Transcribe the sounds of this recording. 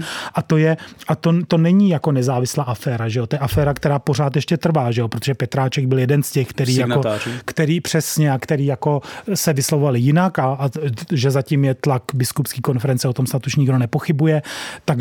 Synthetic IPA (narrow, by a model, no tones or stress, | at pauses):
ʔat̪o̞jɛʔat̪ot̪o̞nɛɲijako̞nɛzaːvɪslaːʔafɛːɾaʒɛjo̞t̪ojɛʔafɛːɾakt̪ɛɾaːpo̞r̝aːt̪jɛʃcɛt̪r̩vaːʒɛjopɾot̪oʒɛpɛt̪ɾaːt͡ʃɛɡ̚bɪljɛdɛnscɛxkt̪ɛɾiːjakoːikt̪ɛɾiːpr̝̥ɛsɲɛakt̪ɛɾiːjako̞sɛvɪslovovalɪjɪnakaʒɛzacimjɛt̪lakbɪskupskiːko̞nfɛɾɛnt͡sɛo̞t̪o̞msnat̪uʃɲɪɡdo̞nɛpo̞xɪbujɛt̪ak